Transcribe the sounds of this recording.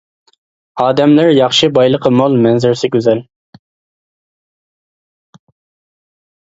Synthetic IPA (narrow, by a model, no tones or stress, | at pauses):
ɑːd̪ɛmlɪɾjɑχʃɨbɑjlˠəqʰəmolˠmɛnzɪɾsɪɡʲøzɛl